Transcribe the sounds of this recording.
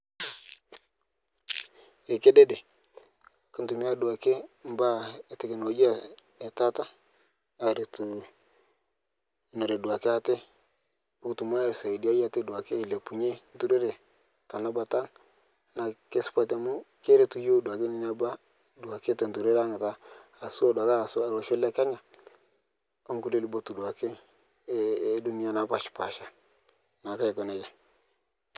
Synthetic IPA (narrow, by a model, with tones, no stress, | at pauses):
e˨ke˦de˦de˨ | kɪ˦ntu˨mi˦a˦du˨a˨ke˦m˦ba˦e˨te˨ke˨no˨˦d͡ʒa˦ne˨ta˦ta˦ | a˨ɾe˨tu˨˦ | no˨ɾe˨du˨a˨ke˦a˦te˦ | u˦ktu˨m˦a˦e˨sa˨i˨di˦a˦ja˦te˦du˨a˨keː˦˨le˨pu˨ɲe˦n˦tu˦ɾe˦ɾe˨ | ta˨na˦ba˨ta˦ | na˨ke˦spa˨t̬e˨mu˦ke˦ɾe˦tu˦jo˦dwa˨ke˦ni˦na˦ba˦ | da˨ke˦te˨ntu˨ɾe˦ɾa˦ŋ˨taː˦˨ | so˦da˨ka˦˨so˦a˨ɾo˨ʃo˦la˦ka˦ɲa˨ | o˦ŋku˦le˦li˨˦bo˦tu˨dwa˨ke˦ | du˦ni˦a˦na˨pa˦ʃpa˨ʃa˨ | na˨ka˦i˨kɔ˨ne˨ja˨